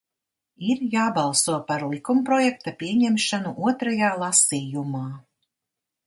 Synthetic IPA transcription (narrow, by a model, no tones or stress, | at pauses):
iɾjaːbɑlˠsuɔpaɾlˠikumpɾɔjɛk̚t̪apʲiɛɲɛmʃanuʔuɔt̪ɾajaːlˠasiːjumaː